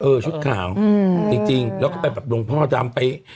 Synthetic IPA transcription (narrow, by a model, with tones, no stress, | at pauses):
ʔɤː˧˩t͡ɕʰu˦˥t̪̚kʰa̰ː˩˦wt͡ɕi˧ŋt͡ɕi˧ŋlɛː˦˥kɔː˥˩pa˧jbɛː˨˩p̚lo˧ŋpʰɔː˦˥ŋa˧˩t͡ɕaː˧mpa˧j